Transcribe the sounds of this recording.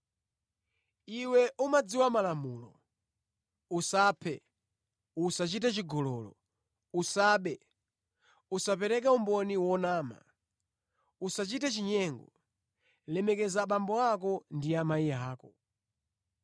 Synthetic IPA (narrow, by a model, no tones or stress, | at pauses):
iwɛʔumad͡ziwamalamuːlɔ | usaːpʰɛ | usat͡ʃitat͡ʃiɡɔlɔlɔ̰ | usaːɓɛ | usapɛɾɛkaumbɔniwɔnaːma̰ | usat͡ʃitat͡ʃiɲɛŋɡɔ | lɛmɛkɛzaɓambɔakɔndijamaijɛaːkɔ